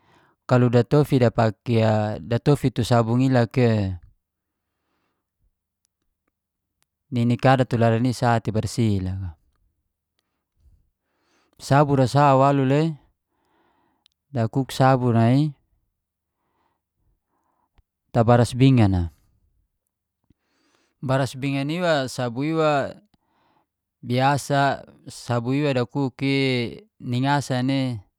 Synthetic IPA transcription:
kaludat̪ofidapakiadat̪ofit̪usabuŋilake | ninikadat̪ulaɾanisat̪ibarsilaka | sabuɾasawalule | dakuksabunai | t̪abaɾasbiŋana | baɾasbiŋaniwasabuiwa | biasasabuiwadakuki | niŋasane

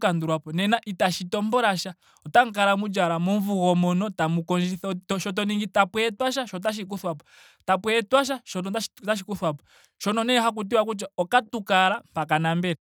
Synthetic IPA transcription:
kanduɾwapɔnɛnaʔitaʃitɔmbɔɾaʃa | ɔtaŋ̩kaɾamud͡ʒaɾamɔɱvuɣɔmɔnɔtamukɔnd͡ʒiθɔtɔʃɔt̬ɔniŋɡitapwɛɛtwaʃ̬aʃɔt̬aʃ̬ik̬uθwapɔ | tapwɛɛtwaʃ̬aʃɔtɔataʃikuθwapɔ̥ | ʃɔnɔnɛɦak̬ut̬iwakut͡ʃaɔkatukaɾampakanambɛɾɛ

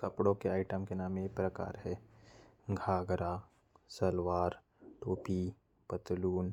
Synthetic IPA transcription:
kɐpɽõkeaːɪʈəmkenaːmepɾəka̰ːɾɦɛː | ɡʱaːɡɾa | səlʋaːɾ | ʈoːpi | pət̪luːn

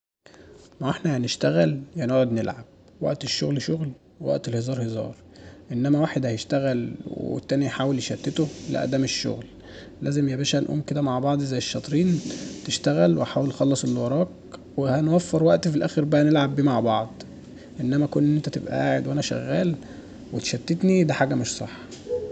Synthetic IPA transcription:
maʕeħnæhæneʃt̪æɣælhænoʕod̪nelʕab̚ | wæ̰ʔt̪eʃːo̰ɣlʃoɣl | wewæ̰ʔt̪elhezˤɑːɾˤhezɑ̰ːɾˤ | ʔenːæmæwaːħed̪hæjeʃt̪æɣælwwḛḛt̪ːæːnijħaːweljeʃæt̪ːet̪olḛʔæ̰d̪æːmeʃːo̰ɣl | læ̰ːzemjebæːʃælʔo̰mːked̪æmaʕbɑʕd̪ˤzæjːeʃːɑt̪ˤɾiːnt̪eʃt̪æɣælweħaːwelxɑlːɑsˤelːwɑɾˤɑːk | wehænwæfːeɾwæʔt̪filʔæ̰ːxeɾbæænelʕabːiːmaʕbɑʕd̪ˤ | ʔenːæmækonːʔnːent̪æt̪ḛbʔæ̰ʔaːʕed̪wænæʃæ̰ɣːæːl | wet̪ʃæt̪ːet̪nid̪æħaːɡæmeʃsˤɑ̰ħːɑ

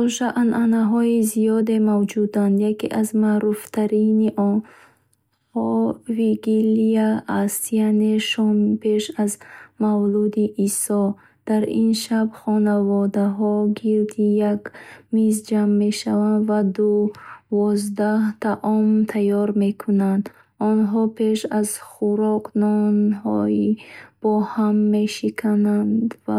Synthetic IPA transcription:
uʃaʔnʔanaɦɔizijɔd̪emavd͡ʒud̪and̪jakḛʔazmaɾuft̪ʰaɾiniʔɔn | hɔviɡiliaast̪ijaneʃɔmpʰe̞ʃazmavlud̪iʔisɔ | d̪̥aɾḭnʃabχɔnavɔd̪aɦɔɡilt̪ʰijaɡmizd͡ʒamːe̞ʃavand̪vad̪uvɔzd̪aht̪ʰaʔɔmt̪ʰajɔɾmekʰunand̪ | ɔnɦɔpʰe̞ʃazχuɾɔqnɔnhɔ̰ib̥ɔhamːe̞ʃikʰanand̪v

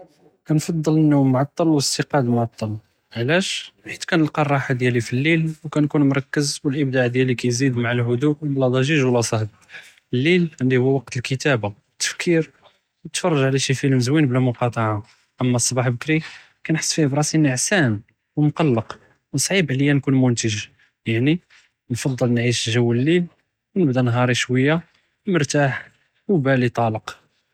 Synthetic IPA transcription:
kænfɑd̪ˤːələnːumːʕɑt̪ˤːɑlwəst̪əqɑd̪mʕɑt̪ˤːɑl | ʕlæʃħit̪kænəlqɑrˤːɑħad̪jælifilːilwkænkunmʊɾˤɑkːəzbəlʔəb̚d̪aʕd̪jælikæjzid̪maʕalɦʊd̪uʔlːæd̪ˤɑʒiʒwəlːæsˤɑhb̪ | əlːilʕəndihuwːæwɑqt̪əlkət̪æbaət̪ːə̥fkʰiɾ | wət̪fɑrˤːɑʒʕlæʃifilməzwinblæmʊqɑt̪ˤɑʕa | ʔəmːæsˤːɑbɑħbəkɾi | kænħə̥sˤːfihbɾˤɑsinəʕsæn | wmqɑlːəq | wsˤʕibʕləjːænkunmʊnt̪əʒ | jaʕni | nfɑd̪ˤːəlnʕiʃʒəwːəlːil | wnəbd̪ænɦɑɾˤiʃwəjːa | mʊɾt̪aħ | wbælit̪ˤɑləq

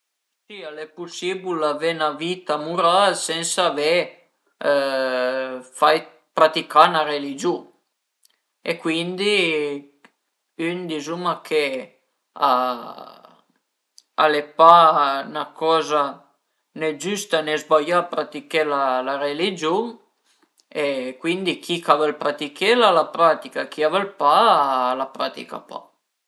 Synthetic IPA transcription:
sialɛpusibulːavenavit̪amuɾalsɛnsaːve | faj | pɾat̪ikanaɾelid͡ʒu | ekwind̪i | ynd̪izumakʰe | a̰ | a̰lepanakɔːza | nɛd͡ʒyst̪anezbajapɾat̪ikelalaɾelid͡ʒu | ekwind̪ikʰikavalpɾat̪ikelalapɾat̪ikak̟iavalpalapɾa̰t̪ḭka̰pa̰

